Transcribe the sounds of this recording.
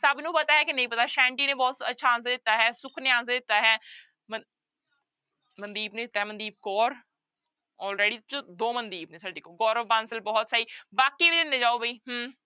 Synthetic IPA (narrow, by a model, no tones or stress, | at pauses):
səbnũːpət̪aːɦɛːkɪnəɦĩːpət̪aːʃɛ̃ːɳʈiːnẽːbɔːt̪ətːʃʰaːns̬d̪ɪt̪ːaːɦɛːsʊkʰnɪãːnsːd̪ɪt̪ːaːɦɛː | mə | mənd̪iːbnẽːɪt̪ːaːɦɛːmənd̪iːb̚kɔːɾ | ɔːlɾeːɖiːt͡ʃd̪oːmənd̪iːbnẽːsəɖiːkoːɡɔːɾɔʋbãːnsəlbɔːt̪saːiːbaːkiːʋiːd̪ɪnːẽːd͡ʒaːoːbʱəiːɦəm